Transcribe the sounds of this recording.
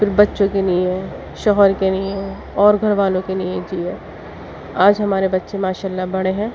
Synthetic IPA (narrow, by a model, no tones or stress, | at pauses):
fɪɾbɐtːʃõkelijẽ | ʃɔːɦəɾkenijẽ | ɔːɾɡʱɐɾʋaːlõkelijẽd͡ʒiẽ | aːd͡ʒɦɐmaːɾebɐtːʃẽmaːʃaːlːabɐɽeɦɛ̃ː